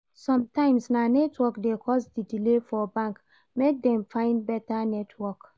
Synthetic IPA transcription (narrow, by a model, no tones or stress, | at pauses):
sɔ̃mtãɪ̃msnanɛtʰwɔkdekʰɔsdidilefɔbãŋk | mek̚dɛ̃mfãɪ̃ndbɛtanɛtʰwɔk